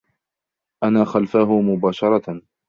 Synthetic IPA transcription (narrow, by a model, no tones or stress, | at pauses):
ʔanaːxalfaːɦʊmʊbaːʃɑɾˤɑ